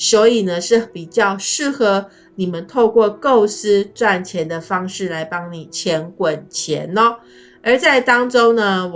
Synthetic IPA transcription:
swɔ˧˥i˨˩nə˦ʂɻ̩˥˩pi˨˩t͡ɕjɑ˥˧ʊʂɻ̩˥˩xɤ˧˥ | ni˨˩mə˦nt̪ʰo˥˧ʊkwɔ˥˧ko˥˩ʊsɹ̩˥ʈ͡ʂwa˥˩nt͡ɕʰjɛ˧˥nd̪ə˧fɑ˥ŋʂɻ̩˥˩la˧˥ɪpɑ˥ŋni˨˩t͡ɕʰjɛ˧˥nkwə˨˩nt͡ɕʰjɛ̰˧˥nɔ˦ | ə˧˥t͡sa˥˩ɪt̪ɑ˥ŋʈ͡ʂo˥ʊnə˧˨

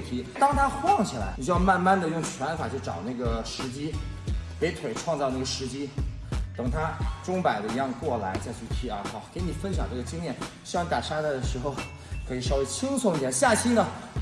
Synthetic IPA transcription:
t̪ʰi˧˥t̪ɑ˥ŋt̪ʰa˥xwɑ˥˩ŋt͡ɕʰi˨˩la̰˧˥ɪi˨˩t͡ɕɻ̩y˥jɑ˥˧ʊma˥˧nma˥˩nd̪ə˨jʊ˥˩ŋt͡ɕʰɥɛ˧˥nfa˨˩t͡ɕʰo˥˩ʈ͡ʂɑ̰˨˩ʊna˥˩ɡə˩ʂɻ̩˧˥t͡ɕi˥pe˧˥ɪt̪ʰwe˨˩ɪʈ͡ʂʰwɑ˥˧ŋt͡sɑ˥˧ʊna˥˩ɡə˩ʂɻ̩˧˥t͡ɕi˥ | t̪ɤ˨˩ŋt̪ʰa˥ʈ͡ʂʊ˥ŋpa˨˩ɪd̪ə˦˧i˧˥jɑ˥˧ŋkwɔ˥˩la˧˥ɪt͡ɕa˥˧ɪt͡ɕʰy˥˧t̪ʰy˥˩a̰˧˩xɑ˧˩ʊke˧˥ɪni˨˩fə˥nɕ̬jɑ˨˩ŋʈ͡ʂɤ˥˩ɡə˩t͡ɕi˥ŋnjɛ˥˩nɕy˥˧ŋt̪a˨˩ʂa˥˧˩d̪ə˩ʂɻ̩˧˥xo˧ʊ | kʰɤ˧˥i˨˩ʂɑ˥˧ʊwe˥˩t͡ɕʰi˥ŋsʊ˧˥ŋt̪jɛ˥˩nɕja˥˩t͡ɕʰi˥nə˨

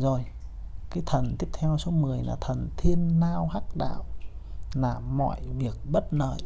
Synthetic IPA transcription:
zo˨˩j | kaː˨˦jt̪ʰə˨˩nt̪i˦˥əp̚t̪ʰɛ˧wso˨˦mɨ˨˩əjlaː˨˩t̪ʰə˨˩nt̪ʰi˧ənːaː˧whaː˦˥k̚ɗa̰ː˧˨wlaː˨˩mɔ̰˧˨jvi˨˩ək̚ɓə˦˥t̚nə̰ː˧˨j

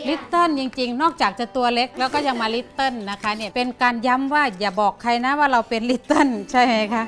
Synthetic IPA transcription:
li˦˥t̪ːɤ˥˨nt͡ɕi˧ŋt͡ɕi˧ŋnɔː˥˩k̚t͡ɕaː˨˩k̚t͡ɕa˨˩t̪u˧ɐle˦˥k̚lɛː˦˥wkɔː˥˩ja˧ŋmaː˧li˦˥t̪ːɤ˥˩˨nːa˦˥kʰa˦˥ni˥˩ɐpe˧nkaː˧nja˦˥mwaː˥˩jaː˨˩bɔː˨˩kʰːa˧jna˦˥waː˥˩ɾa˧wpe˧nli˦˥t̪ːɤ˧˥˩nt͡ɕʰa˥˩jma˦˥˩jkʰa˦˥ʔ

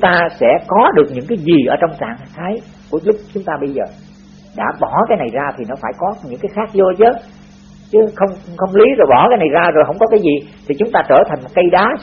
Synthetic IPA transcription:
t͡ɕŋ͡mt̪aː˧sɛ̰˧˥kɔ˨˦ɗɨ˨˩ək̚ɲɨ̰˧˥ŋkaː˨˦jzi˨˩ʔəː˧˩t͡ɕɔ˧wŋ͡mt͡ɕa̰ː˧˨ŋt̪ʰaː˨˦j | ku˧˩əlʊ˦˥k͡p̚t͡ɕʊ˨˦ŋ͡mt̪aː˧ɓə˧jzəː˨˩ | ɗa̰ː˧˥ɓɔ˧˩kaː˨˦jna˨˩jzaː˧t̪ʰi˨˩nɔ˨˦faː˧˩jkɔ˨˦ɲɨ̰˧˥ŋkaː˨˦jxaː˦˥k̚zo˧t͡ɕə˨˦ | t͡ɕɨ˨˦xə˧wŋ͡mxə˧wŋ͡mli˨˦zo˨˩jɓɔ˧˩kaː˨˦jna˨˩jzaː˧zo˨˩jɦə̰˧˥wŋ͡mkɔ˨˦kaː˨˦jzi˨˩t̪ʰi˨˩t͡ɕʊ˨˦ŋ͡mt̪aː˧t͡ɕəː˧˩t̪ʰa˨˩ŋ̟mo˨˩t̚kə˧jɗaː˨˦

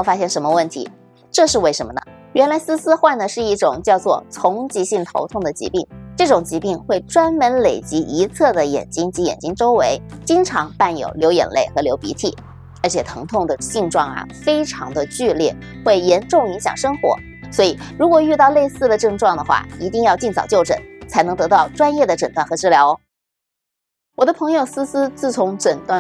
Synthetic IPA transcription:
o˥˩ʊfa˥ɕjɛ˥˩nʂə˧˥nmə˧wə˥˩nt̪ʰḭ˧˥ | ʈ͡ʂɤ˥˧ʂɻ̩˥˧we˥˩ɪʂə˧˥nmə˧nə̰˩ɥɛ˧˥nla˧˥ɪsɹ̩˥sɹ̩˥xwa˥˩nd̪ə˩ʂɻ̩˥˧i˥˩ʈ͡ʂʊ˨˩ŋt͡ɕjɑ˥˧ʊt͡swɔ˥˩t͡sʰʊ˧˥ŋt͡ɕi˧˥ɕi˥˩ŋt̪ʰo̰˧˥ʊt̪ʰʊ˥˩ŋd̪ə˩t͡ɕḭ˧˥pi˥˩ŋʈ͡ʂɤ˥˩ʈ͡ʂʊ˨˩ŋt͡ɕi˧˥pi˥˧ŋxwe˥˩ɪʈ͡ʂwa˥nmə˧˥nle˨˩ɪt͡ɕi˧˥ʔi˧˥t͡sʰɤ˥˩d̪ə˩jɛ̰˨˩nt͡ɕi˥ŋt͡ɕi˧˥jɛ̰˨˩nt͡ɕi˥ŋʈ͡ʂo˥ʊwe˧˥ɪt͡ɕi˥ŋʈ͡ʂʰɑ˧˥ŋpa˥˩njo̰˨˩ʊljo˧˥ʊjɛ̰˨˩nle˥˩ɪxɤ˧˥ljo˧˥ʊpḭ˧˥t̪ʰḭ˨˩˦ | ə˞˧˥t͡ɕʰjɛ˨˩t̪ʰɤ˧˥ŋt̪ʰʊ˥˩ŋd̪ə˩ɕi˥˧ŋʈ͡ʂwɑ˥˩ŋə̰˩fe˥ɪʈ͡ʂʰɑ̰˧˥ŋd̪ə˧t͡ɕy˥˧ljɛ˥˩ | xwe˥˩ɪjɛ˧˥nʈ͡ʂʊ˥˩ŋi˧˥ŋɕjɑ̰˨˩ŋʂɤ˥ŋxwɔ̰˧˥ | swɔ˧˥i˨˩ɻu˧˥kwɔ˨˩y˥˧t̪ɑ˥˧ʊle˥˧ɪsɹ̩˥˩d̪ə˩ʈ͡ʂɤ˥˧ŋʈ͡ʂwɑ˥˩ŋd̪ə˩xwa̰˥˩i˧˥t̪i˥˧ŋjɑ˥˧ʊt͡ɕi˥˩nt͡sʰɑ˨˩ʊt͡ɕjo˥˩ʊʈ͡ʂə̰˨˩˦nt͡sʰa˧˥ɪnɤ˧˥ŋt̪ɤ˧˥t̪ɑ˥˩ʊʈ͡ʂwa˥njɛ˥˩d̪ə˩ʈ͡ʂə˨˩nt̪wa˥˩nxɤ˧˥ʈ͡ʂɻ̩˥˩ljɑ˧˥ʊ | wɔ˨˩d̪ə˦pʰɤ˧˥ŋjo˥˩ʊs̩˥sɹ̩˥t͡sɹ̩˥˩t͡sʰʊ˧˥ŋʈ͡ʂə˨˩nt̪wa˥˩

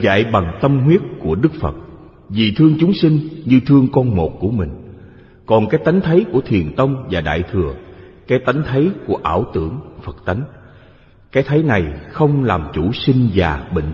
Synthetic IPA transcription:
za̰ː˧˨jɓa˨˩ŋt̪ə˧mɦwi˦˥ət̚ku˧˩əɗɨ˦˥k̚fə̰˨˩t̚ | vi˨˩t̪ʰɨ˧əŋt͡ɕʊ˨˦ŋ͡msï˧ŋ̟ɲɨ˧t̪ʰɨ˧əŋkɔ˧nmo˨˩t̚ku˧˩əmï˨˩ŋ̟ | kɔ˨˩nkaː˨˦jt̪a˨˦jŋ̟t̪ʰə˨˦jku˧˩ət̪ʰi˨˩ənt̪ə˧wŋ͡mvaː˨˩ɗa̰ː˧˨jt̪ʰɨ˨˩əkaː˨˦jt̪a˨˦ŋ̟t̪ʰə˨˦jku˧˩əʔaː˧˩wt̪ɨ̰˧˩əŋfə˨˩t̚t̪a˨˦ŋ̟ | kaː˨˦jt̪ʰə˨˦jna˨˩jxə˧wŋ͡mlaː˨˩mt͡ɕu˧˩si˧ŋ̟vaː˨˩ɓḭ̈˧˨ŋ̟

